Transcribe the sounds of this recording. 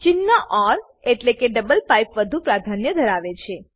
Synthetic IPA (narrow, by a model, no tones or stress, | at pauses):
t͡ʃinːaʔɔɾ | eʈlekeɖəbəlpajpʋəd̪ʱupɾad̪ʱanjəd̪ʱəɾaʋet͡ʃʰe